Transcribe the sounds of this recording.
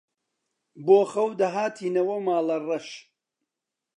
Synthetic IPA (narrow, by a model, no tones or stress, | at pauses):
boːxɐwd̪ɐɦaːt̪ʰiːnɐwɐmaːlɐrɐʃ